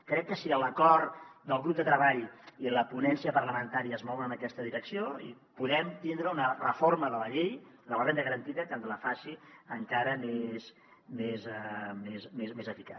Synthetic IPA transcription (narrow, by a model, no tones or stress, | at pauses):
kɾɛkːəsiələkɔɾd̪əlˠɣɾub̚d̪ət̪ɾəβaʎiləpunɛnsiəpərləmənt̪aɾiəːzmɔwɾəːnəkɛst̪əðiɾəksioḭ | puðɛmt̪ind̪ɾəunərəforməðələʎejðələrend̪əɣəɾənt̪iðəkənd̪ələfasiəŋkaɾəmes | mezmesmezmezəfika